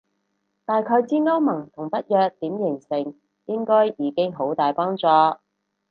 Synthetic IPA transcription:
t̪aː˨jkʰɵ˨˧ɥt͡siː˥ŋɐ˥wmɐ˨˩ŋt̪ʰʊ˨˩ŋpɐ˥t̚jœː˨k̚t̪iː˨˥mjɪ˨˩ŋsɪ˨˩ŋ | jɪ˥ŋkɔː˥jjiː˨˧kɪ˥ŋɦo˨˥wt̪aː˨jpɔː˥ŋt͡sɔː˨˧

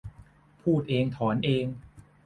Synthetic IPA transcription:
pʰuː˥˩t̪̚ʔeː˧ŋt̪ʰɔː˩˦nʔeː˧ŋ

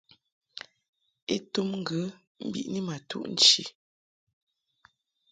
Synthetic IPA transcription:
e˦tu˦mŋ̩˦ɡə˨˦ | m̩˦bḭ˦˨ʔni˦ma˨tṵ˦ʔn̩˦t͡ʃḭ˨

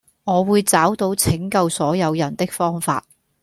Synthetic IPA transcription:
ŋɔː˨˧wuː˨˧jt͡saː˨˥wt̪o˧wt͡sʰɪ˨˥ŋkɐ˧wsɔː˨˥jɐ˨˧wjɐ˨˩nt̪ɪ˥k̚fɔː˥ŋfa̰ː˧t̚

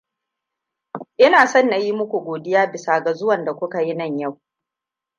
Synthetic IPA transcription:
ʔɪ˦naː˨sɔ˦˨nːa˨ji˦mʊ˦kʷu˨ɡʷoː˨dɪ˦jaː˦bɪ˨saː˨ɡa˨zʊ˦wɐ˨nda˨kʷʊ˦ka˨ji˦nɐ˦˨ɲja˦˨w

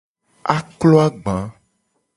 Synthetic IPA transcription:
a̰˦klɔ˦a˦ɡ͡bã˨˦

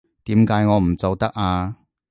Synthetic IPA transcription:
t̪iː˨˥mkaː˨˧˥jŋɔː˨˧m̩˨˩t͡sɐ˨˧wt̪ɐ˥k̚aː˧

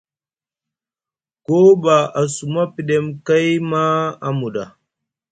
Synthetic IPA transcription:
ko˦ba˨a˨su˨ma˦pi˨ɗe˦mka˦jma˦a˦mu˨ɗa˨

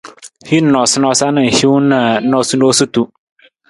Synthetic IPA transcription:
hi˦n̩˦ɔ˨sʊ˦nɔ˦sa˦nɪ̃˨hi˦wnã˨n̩˦nɔ˦su˦no˦su˦tu˦

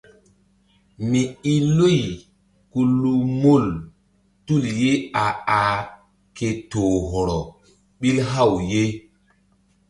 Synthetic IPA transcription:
mi˨i˦lu˦˨j | ku˨lu˦mo˦˨l | tu˦˨lje˦a˨a˨ | ke˨to˨ɦɔ˨ɾɔ˨ | ɓi˦lɦa˦˨wje˦

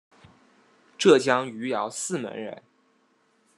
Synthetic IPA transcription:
ʈ͡ʂɤ˥˩t͡ɕjɑ˥ŋy˧˥jɑ˧˥ʊsɹ̩˥˩mə̰˧˥nɻə̰˧˥n

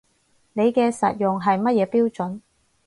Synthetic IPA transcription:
ne˨˧jkɛː˧sɐ̰˨t̚jʊ˨ŋɦɐ˨jmɐ˥t̚jɛː˨˧piː˥wt͡ʃɵ˨˥n

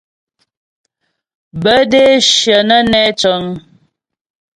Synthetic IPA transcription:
bə˦de˦ʃjə˨nə˦nɛ˦t͡ʃə˨˦ŋ

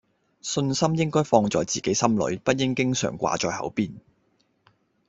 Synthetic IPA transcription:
sɵ˧nsɐ˥mjɪ˥ŋkɔː˥jfɔː˧ŋt͡sɔ̰ː˨˧jt͡siː˨ke˨˥jsɐ˥mlɵ̰˨˥ɥpɐ˥t̚jɪ˥ŋkɪ˥ŋsœ̰ː˨˩ŋkʷwa̰ː˨˧t͡ʃɔː˧jhɐ̰˨˥wpiː˥n

